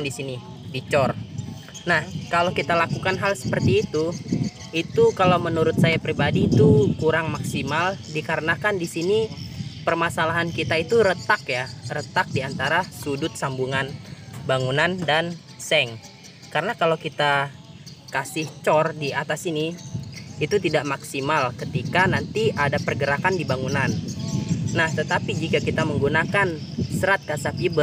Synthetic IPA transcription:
disini | dit͡ʃɔr | nahkalawkit̪alakukanɦalsə̥pərt̪iːt̪u | it̪ukalawmənuɾʊt̪̚sajapɾibadiːt̪ukuɾaŋmaksimaldikaɾənakandisinipərmasalaɦankit̪ait̪uɾət̪akjarət̪ak̚diant̪aɾasudʊt̪̚sambuŋanbaŋunandan | sɛŋ | kaɾənakalawkit̪a | kasɪht͡ʃɔrdiat̪asiniː | t̪ut̪idaʔmaksimalkət̪ikanant̪iʔadapərɡəɾakandibaŋunan | naht̪ət̪apid͡ʒikakit̪aməŋɡunakan | səɾat̪̚kasafibər

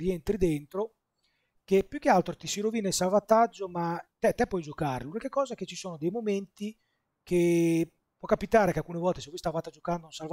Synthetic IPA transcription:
ient̪ɾid̪ent̪ɾo | k̟epːjuk̟ːealt̪ɾot̪isiɾovinaisalvat̪ad͡ʒːomat̪ɛt̪ːɛpːwɔjd͡ʒokaɾelunikekɔːzaɛket͡ʃːisoːnod̪ejmoment̪i | kʰe | pːwɔkːapit̪aːɾekealkunevɔlt̪esevɔjst̪avaːt̪ad͡ʒokand̪ounsalva

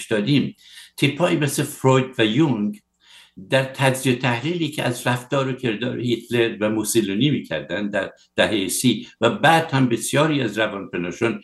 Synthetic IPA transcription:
ʃd̪ɒːd̪iːm | t̪ʰipʰːɒːʔimesefɾojd̪væjuŋɡ | d̪æɾt̪ʰæd͡ʒ̪ziot̪ʰæhliːliːcʰeʔæzræft̪ɒːɾocʰe̞ɾd̪ɒ̰ːɾohit̪ʰleɾvæmusiluniːmiːcʰæ̰ɾd̪ænd̪d̪æɾ | d̪̥æɦejesiːvæbæːd̪̥hæmbe̞sjɒːɾiːæzɾævɒːnpenɒːʃon

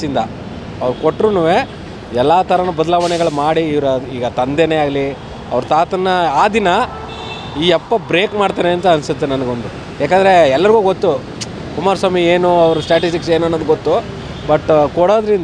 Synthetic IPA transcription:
ind̪ɐ | ɐʋɐɾukoʈːɾunuːʋe | ɛlːaːt̪ɐɾɐnubɐd̪ɐlaːʋɐnɛɡɐɭumaːɽiːʋɾiːɡɐt̪ɐnd̪eneaːɡɐli | ɐ̰ʋɐɾɐt̪aːt̪ɐnːɐaːd̪inɐ | iːɐpːɐbɾe̞ːkmaːɽt̪aːneɐnt̪ɐːnsut̪ːenɐnɐɡond̪u | jaːkaːnd̪ɐɾe̞ɛlːɐɾiɡuːɡot̪ːu | kumaːɾsaːmieːnuɐʋɐɾusʈjaːʈisʈikse̞ːnuɐnːod̪uɡot̪ːu | bɐʈːkoɽoːd̪ɐɾind̪

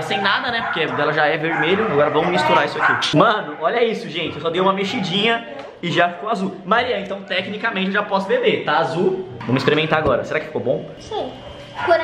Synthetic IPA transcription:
sẽj̃nad̪ɐnɛpʊɾkẽd̪ɛlɐʒaɛveɾmeʎʊaɡɔɾɐvɐ̃w̃mist̪uɾaɾisʊakimɐ̃nʊɔʎɐisʊʒẽnt͡ʃɪewsɔd̪ejũmɐmeʃid͡ʒĩɲɐ | ɪʒafi̥kowazuwmaɾiɐẽnt̪ɐ̃w̃t̪ɛknikamẽnt͡ʃɪeʊʒapɔsʊbebet̪aazuvɐ̃w̃mɪspeɾimẽnt̪aaɡɔɾɐseɾakɪfi̥kobõw̃sĩ | kɐ̃

